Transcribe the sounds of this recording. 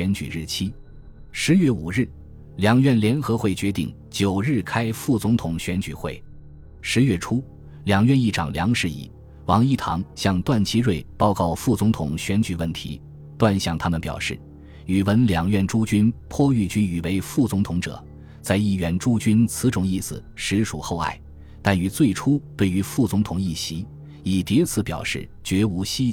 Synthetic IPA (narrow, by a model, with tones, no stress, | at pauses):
ɛ˧˥nt͡ɕy̰˨˩ɻɻ̩˥˩t͡ɕʰi˥ | ʂɻ̩˧˥ɥɛ˥˩u˨˩ɻɻ̩˥˩ | ljɑ˧˥ŋɥɛ˥˩nljɛ˧˥nxɤ˧˥xwe˥˩ɪt͡ɕɥɛ˧˥t̪ḭ˥˩ŋ | t͡ɕjo˨˩ʊɻɻ̩˥˩kʰa˥ɪfu˥˩t͡sʊ˧˥ŋt̪ʰʊ˨˩ŋɕɥɛ˧˥nt͡ɕy̰˨˩xwḛ˥˩ɪ | ʂɻ̩˧˥ɥɛ˥˩ʈ͡ʂʰu˥ | ljɑ˨˩ŋɥɛ˥˧ni˥˩ʈ͡ʂʰɑ̰˨˩ŋljɑ˧˥ŋʂɻ̩˧ḭ˥˩ | wɑ˧˥ŋi˥˩t̪ʰɑ̰˧˥ŋɕjɑ˥˧ŋt̪wa˥˩nt͡ɕʰi˥ɻwe˥˩ɪpɑ˥ʊkɑ˥˧ʊfu˥˩t͡sʊ˧˥ŋt̪ʰʊ̰˨˩ŋɕɥɛ˧˥nt͡ɕy˨˩wə˥˩nt̪ʰḭ˧˥ | t̪wa˥˧nɕjɑ˥˩ŋt̪ʰa˥mə˨npjɑ̰˨˩ʊʂɻ̩˥˩ | y˨˩wə˧˥nljɑ˨˩ŋɥɛ˥˧nʈ͡ʂu˥t͡ɕy˥npʰwɔ˥y˥˩t͡ɕy˥ny˨˩we˧˥ɪfu˥˩t͡sʊ˧˥ŋt̪ʰʊ˧˥ŋʈ͡ʂɤ̰˨˩˦ | t͡sa˥˧ɪi˥˩ɥɛ˧˥nʈ͡ʂu˥t͡ɕy˥nt͡sʰɹ̩˧˥ʈ͡ʂʊ˨˩ŋi˥˩sɹ̩˨˩ʂɻ̩˧˥ʂu˨˩xo˥˧ʊa̰˥˩ɪ | t̪a˥˩ny˧˥t͡swe˥˩ɪʈ͡ʂʰu˥t̪we˥˩ɪy˧˥fu˥˩t͡sʊ˧˥ŋt̪ʰʊ˨˩ŋi˥˩ɕi˧˥ | i˨˩t̪i˧˥t͡sʰɹ̩˧˥pjɑ̰˨˩ʊʂɻ̩˥˩t͡ɕɥɛ˧˥u˧˥ɕi˥